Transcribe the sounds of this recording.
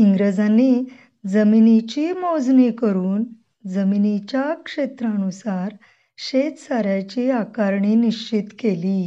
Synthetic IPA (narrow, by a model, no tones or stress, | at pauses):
iŋɡɾed͡zãnːi | d͡zəminit͡ɕimɔd͡znekəɾuːn | d͡zəminit͡ɕakʂet̪ɾãnusaɾ | ɕet̪saɾjat͡ɕiːakaɾɳiniɕt͡ɕit̪keli